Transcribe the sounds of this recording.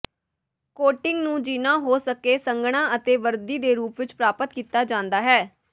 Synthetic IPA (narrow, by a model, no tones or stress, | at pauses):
koːʈɪŋɡnũːd͡ʒiːnãːɦoːsəkeːsəŋɡɽ̃ãːət̪eːʋəɾd̪iːd̪eːɾuːpʋɪt͡ʃpɾaːpət̪kiːt̪aːd͡ʒãːnd̪aːɦɛː